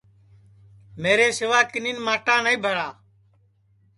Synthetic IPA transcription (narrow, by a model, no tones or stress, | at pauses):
meːɾeːsɪʋaːkɪniːnmaːʈãːnəĩːbʱəɾaː